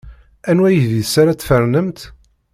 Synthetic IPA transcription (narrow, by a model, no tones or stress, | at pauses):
ænwæjðisaɾat͡sːfəɾˤnəmt̪